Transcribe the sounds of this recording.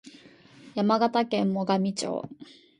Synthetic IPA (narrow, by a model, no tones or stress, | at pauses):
jamaɡat̪akẽmːo̞ɡamʲit͡ɕo̰ː